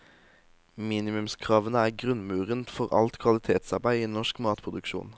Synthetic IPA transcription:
miːnɪmʉmskʰʁɑːʋənəæːʁɡʁʉnmʉːʁənt̪fɔʁɑ̰lt̪kʰʋɑlɪt̪ʰeːt̪sɑʁbæɪiːnɔʃkmɑːt̪pʰʁʊd̪ʉkʃṵːn

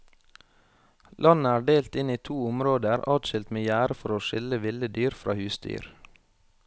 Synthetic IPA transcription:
lʔɑnəæːɖeːlt̪ɪniːt̪ʰuːʊmɾoːd̪əɾɑːd̪ʃɪlt̪meːjæːɾəfɔɾoːʃɪləʋɪləd̪yːɾfɾʔɑ̰ːhʉːsd̪y̰ːɾ

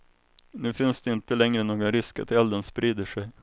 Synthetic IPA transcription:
nʉ̟ːfɪnsd̪ɛɪnt̪əlɛŋɾənoːɡanɾɪska̰t̪ʰɛld̪ənspɾiːd̪əʂɛj

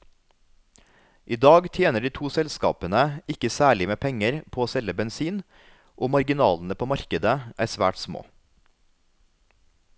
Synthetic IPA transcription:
ʔiːd̪ɑːɡt̪ʰjeːnəɖiːt̪ʰuːsɛlskɑ̰ːpənəɪkəsæːɭɪmeːpʰɛŋəɾpʰoːoːsɛləbɛnsiːn | ʔoːmɑɾɡɪnɑːln̩əpʰoːmɑɾkəd̪əʔæːsʋæ̰ːʈsmo̰ː

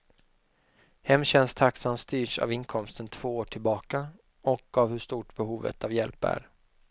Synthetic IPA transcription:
hɛmːɕɛnst̪ʰaksamst̪yːʂa̰vɪnkʰɔmst̪ənt̪ʰv̥oːoːʈʰɪlbɑːka | ɔkavhɵʂt̪uːʈbɛɦuːvə̰t̪avjɛlpæ̰ɾ

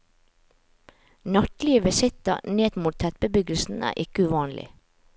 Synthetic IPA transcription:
nɑt̪lɪəʋɪsɪt̪əneːd̪muːt̪ʰɛt̪̚bəbʏɡl̩sn̩æ̰ːʔɪkəʉʋɑːnlɪ̰

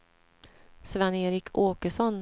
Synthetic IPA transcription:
svɛneːɾɪkʰoːkəʂɔn

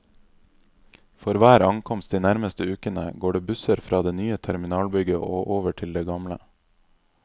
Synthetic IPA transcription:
fɔɾʋæːɾɑŋkʰɔmst̪̚d̪iːnæɾməst̪əʉːkənə̰ɡoːɖeːbʉsəɾfɾʔɑːd̪eːnyːət̪ʰæɾmɪnɑːlbʏɡəʔoːʔoːʋəʈʰɪld̪eːɡɑmlə̰

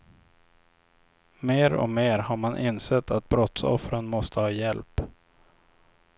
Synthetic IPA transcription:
meːɾɔ̰meːɾhaɾmanʔɪnsɛt̪ʰːat̪̚bɾɔt̪sɔ̰fɾənmɔst̪ʰəhɑːjɛlp

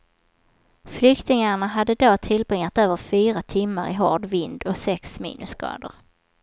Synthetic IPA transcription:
flʏkt̪ɪŋaɳaɦad̪ːəd̪oːt̪ʰɪlbɾɪŋːat̪øːvəɾfyːɾat̪ʰɪmːaɾɪɦɔɖvɪnd̪ɔksɛksmḭːnɵskɑ̰ːd̪ə̰ɾ

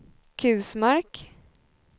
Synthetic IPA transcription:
kʰʉ̟ːsmaɾk

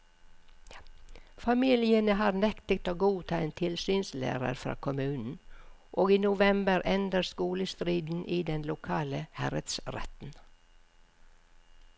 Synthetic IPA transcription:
fɑmiːlɪənəɦɑːɾnɛkt̪ək̚t̪oːɡuːt̪ʰɑːeːnt̪ʰɪlsyːnslæ̰ːɾə̰ɾfɾɑ̰ːkʰʊmʉːnn̩ʔoːɡiːnʊʋɛmbəɾʔɛnd̪əɾskuːləst̪ɾiːd̪n̩ʔiːd̪ɛnlʊkʰɑːləhæɾət̪sɾɛ̰t̪n̩

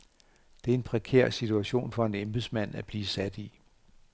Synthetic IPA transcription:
d̥e̝æɐe̝npʰʁɛkʰḛɐ̰sit͡sʰuæɕo̝̰ːnfɒ̽e̝nemb̥esmæn̰æb̥liːsæd̥i

